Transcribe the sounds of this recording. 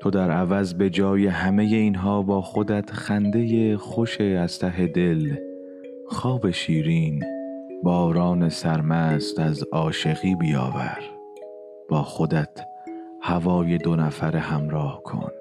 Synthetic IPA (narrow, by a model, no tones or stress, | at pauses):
t̪ʰo̞d̪æɾævæzbe̞d͡ʒɒːje̞ɦæme̞je̞iːnɦɒːbɒːxo̞d̪æt̪ʰxænd̪e̞je̞xo̞ʃeæz̥t̪ʰæɦe̞d̪e̞l | xɒːbe̞ʃiːɾiːnbɒːɾɒːne̞sæɾmæːst̪æzɒːʃe̞ɣiːbijɒ̰ːvæ̰ɾ | b̥ɒːxod̪æt̪ʰ | hævɒːje̞d̪onæfæɾehæmɾɒːhkʰo̰n